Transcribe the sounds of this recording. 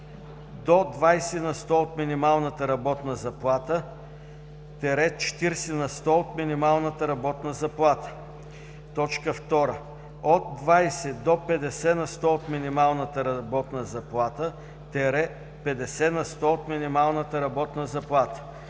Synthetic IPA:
d̪od̪vajsɛnɐst̪ɔot̪minimalˠnət̪əɾɐbɔt̪nəzɐplˠat̪ə | t̪ɛɾɛt͡ʃɛ̥t̪iɾsɛnɐst̪ɔot̪minimalˠnət̪əɾɐbɔt̪nəzɐplˠat̪ə̥ | t̪ɔt͡ʃkəft̪ɔɾə | ot̪̚ːvajsɛd̪opɛd̪ɛsɛnɐst̪ɔot̪minimalˠnət̪əɾɐbɔt̪nəzɐplˠat̪ə | t̪ɛɾɛ | pɛd̪ɛsɛnɐst̪ɔot̪minimalˠnət̪əɾɐbɔt̪nəzɐplˠat̪ə̥

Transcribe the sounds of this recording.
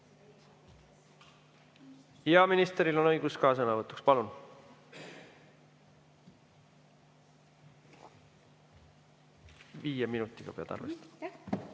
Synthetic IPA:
eɑminist̪ɾilo̞nɤjɡ̥uskɑːs̬ɤnɑvɤt̪ːˑukspɑlun | viːjeminut̪ːˑiɡ̥ɑ̰peɑ̰d̪̥ɑ̰rvest̪

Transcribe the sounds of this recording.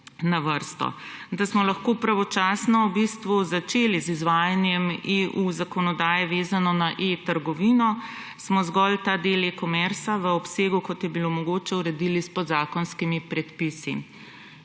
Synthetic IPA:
naʋəɾst̪ɔ̰ | d̪asmɔlaxkoːpɾaʋɔt͡ʃaːsnɔubist̪ʋuzat͡ʃeːlizizʋaːjanjɛmeʔuzakɔnɔd̪aːjɛʋeːzanɔnaʔet̪əɾɡɔʋiːnɔ | smɔzɡɔlt̪ad̪elekɔmɛɾsaʋəɔpseːɡukɔt̪jɛbilomɔɡoːt͡ʃɛuɾɛd̪ilispɔd̪zaːkɔnskimipɾɛt̪pisi

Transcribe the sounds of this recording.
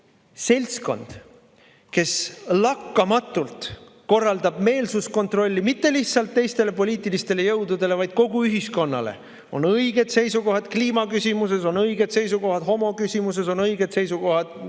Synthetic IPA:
se̞lʲsko̞̰nd̪̥ | ke̞slɑkːɑmɑt̪ːˑult̪ | ko̞rːɑld̪ɑb̥̚me̞ːlsusko̞nt̪ro̞lʲːimit̪ːe̞liht̪sɑlt̪ːe̞jst̪e̞le̞po̞lʲiːt̪ˑilist̪e̞le̞jɤwd̪ud̪̥e̞le̞vɑjd̪̥̚ko̞ɡuyɦisko̞nːɑ̰le̞̰ | o̞nɤjɡ̥e̞d̪̥se̞jsuko̞ɦɑd̪̥kliːmɑkysʲimus̬e̞so̞nɤjɡ̥e̞d̪̥se̞js̬uko̞ɦɑd̪̥ho̞mo̞kysʲimus̬e̞so̞nɤjɡ̥e̞d̪̥se̞jsuko̞ɦɑd̪̥

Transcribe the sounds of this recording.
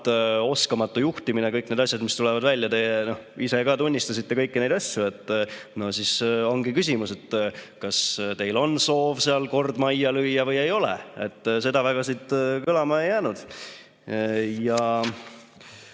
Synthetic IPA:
t̪o̞skɑmɑt̪ːujuht̪iminekɤjkne̞d̪ɑsʲjɑd̪mist̪ulɛvɑd̪vælʲjɑt̪eno̞hise̞kɑːt̪unʲːist̪ɑsit̪ːe̞kɤjkːine̞jd̪ɑsʲjue̞t̪ːˑno̞hsiso̞ŋɡikys̬ʲimuse̞t̪ːkɑst̪e̞jlo̞nso̞ːvseɑlko̞rd̪̥mɑjjːɑlɯjjːɑvɤje̞jo̞lḛe̞̰t̪ːse̞d̪ɑvæɡ̥ɑsit̪kɯlɑmɑe̞jːæːnud̪̥ | jɑ

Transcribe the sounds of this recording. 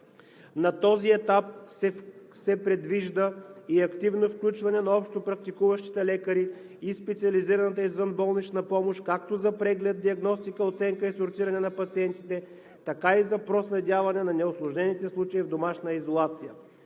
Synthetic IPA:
nɐt̪ɔziɛt̪ap̚sɛ | sɛpɾɛd̪viʒd̪əiɐkt̪ivnofklʲut͡ʃvɐnɛnɐɔpʃt̪opɾɐk̚t̪ikuvɐʃt̪i̥t̪ɛlɛkəɾiː | spɛt̪siɐliziɾɐnət̪əizvənbɔlˠnit͡ʃnɐpɔmoʃkak̚t̪ozɐpɾɛɡlɛd̪̚d̪iɐɡnɔst̪ikəot̪sɛŋkəisoɾt̪siɾɐnɛnɐpɐt̪siɛnt̪it̪ɛ | t̪ɐkaizɐpɾoslɛd̪ʲavɐnɛnɐnɛʊslˠʊʒnɛnit̪ɛslˠut͡ʃəivd̪omaʃnəizolˠat̪sijə

